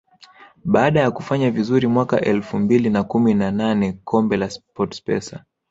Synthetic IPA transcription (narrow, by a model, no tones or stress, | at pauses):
ɓaːɗajakufaɲavizuɾimwaka̰ʔɛlfumbilinakuminananɛkʰɔmbɛlaspɔtspɛ̰sa̰